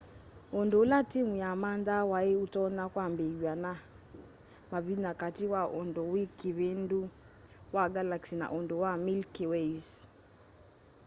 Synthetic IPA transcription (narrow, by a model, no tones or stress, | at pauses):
ondolatimujamandawaeutɔnakwambewana | maβinakatiwaʔondowikiβendu | waɡalaksina̰ʔondowamilkiweis